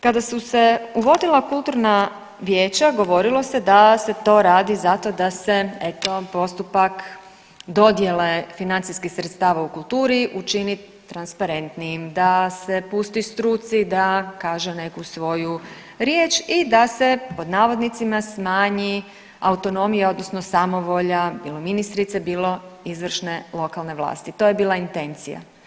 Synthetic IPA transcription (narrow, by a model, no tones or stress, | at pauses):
kad̪asuse̞uʋo̞d̪ilˠakulˠt̪uɾna | ʋjeːt͡ɕaɡo̞ʋo̞ɾilˠo̞sed̪ase̞t̪o̞ːɾaːd̪izat̪o̞d̪ase̞e̞t̪o̞po̞st̪upak | d̪o̞d̪je̞lefinant̪siskixsɾet̪st̪aːʋaukulˠt̪uːɾiʔut͡ʃini | t̪ɾanspaɾe̞nt̪nijimd̪ase̞pust̪ist̪ɾut̪sid̪akaːʒene̞kusʋo̞ju | ɾjeːt͡ʃid̪ase̞po̞d̪naːʋo̞d̪nit̪simasmaːɲi | aut̪o̞no̞mijeo̞d̪nosno̞samo̞ʋoʎabiːlˠominist̪ɾit̪sebiːlo̞izʋr̩ʃne̞lˠo̞kalˠne̞ʋlˠa̰ːst̪it̪o̞jebiːlaint̪e̞nt̪sḭja̰